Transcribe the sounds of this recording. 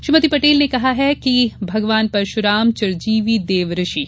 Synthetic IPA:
ʃɾimɐt̪ipɐʈeːlnekɐɦaɦɛkibʱɐɡʋaːnpɐɾʃʊɾaːmt͡ʃɐɾd͡ʒiːʋid̪eːʋɾɪʃi

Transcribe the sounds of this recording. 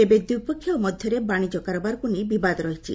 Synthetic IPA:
ebed̪ipɔkʰːjɔmɔd̪ʱjɔɾebaɽ̃id͡ʒɔkaɾɔbaɾkunibibad̪ɔɾɔɦit͡ʃʰḭ

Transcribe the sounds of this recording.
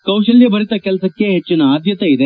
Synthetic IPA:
kɐwʃɐljɐbɐɾit̪ɐkɛlsɐkːe̞ɦet͡ʃːinɐaːd̪ʱjɐt̪ɐid̪e

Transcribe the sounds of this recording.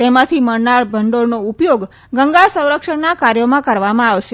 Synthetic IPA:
t̪emãt̪ʰiməɾnaɭbʱəɳɖoɽnoupjoɡ | ɡəŋɡaɭsə̃w̃ɾəkʂəɳnakaɾjomãkəɾʋamãaʋʃe

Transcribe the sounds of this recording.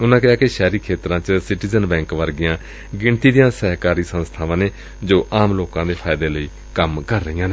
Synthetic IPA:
ʊnãːkɪjaːkɪʃɛːɾiːkʰeːt̪ɾãːt͡ʃsɪʈiːzənbɛ̃ːŋkʋəɾɡɪjãː | ɡɪɳt̪iːd̪ɪjãːsɛːɦkaːɾiːsənst̪ʰaːʋãːneː | d͡ʒoːʔaːmloːkãːd̪eːpʰaːɪd̪eːləiː | kəmkəɾːəijãːneː

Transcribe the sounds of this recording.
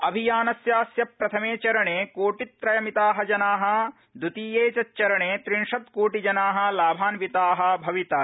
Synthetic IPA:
ɐbʱijaːnɐsjaːsjɐpɾɐt̪ʰɐmeːt͡ʃɐɾɐɳeːkuːʈit̪ːɾɐjɐmit̪aːɦɐd͡ʒɐnaːɦɐ̆ | d̪ut̪iːjeːt͡ʃɐt͡ʃɐɾɐɳeːt̪ɾiɳʂɐd̪̚kuːʈid͡ʒɐnaːɦɐ̆laːbʱaːnʋit̪aːɦɐ̆bʱɐʋit̪ɐ

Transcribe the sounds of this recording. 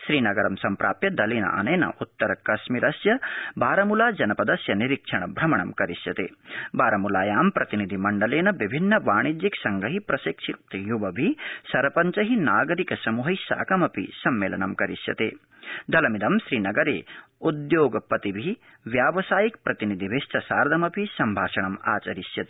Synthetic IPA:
ʃɾiːnɐɡɐɾɐmsɐmpɾa̰ːpjɐd̪ɐleːnɐ̰ʔɐ̰neːnɐ̰ʔut̪ːɐɾɐkɐʃmiɾʔɐsjɐbaːɾɐmulaːd͡ʒɐnɐpɐd̪ɐsjɐniɾikʂɐɳɐbʱɾɐmɐɳɐmkɐɾisjɐ̰t̪ḛːbaːɾɐmulaːjaːmpɾɐt̪inid̪ʱimɐɳɖɐleːnɐʋibʱinːɐʋaːɳid͡ʒiksɐŋɡɐɦipɾɐsikʂit̪juʋɐbʱisɐɾpɐɲt͡ʃɐɦinaːɡɐɾikɐsɐmuɦɐjsa̰ːkɐmɐpḭsɐmːeːlɐ̰ɳɐ̰mkɐɾisjɐ̰t̪ḛː | d̪ɐlɐmid̪ɐmʃɾiːnɐɡɐɾḛːud̪joːɡɐpɐt̪ibʱi | ʋjaːʋɐsaːjik̚pɾɐt̪inid̪ʱiʋʱest̪ɐsaːɾd̪ʱɐmɐpisɐmbʱaːʃɐɳɐma̰ːt͡ʃɐɾisjɐt̪e

